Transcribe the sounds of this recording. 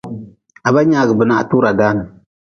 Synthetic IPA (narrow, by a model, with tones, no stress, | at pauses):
a˨ba˦ɲaː˦ɡɨ˨bɨ˨na˨ʔtuː˦ɾa˨daː˦nɨ˨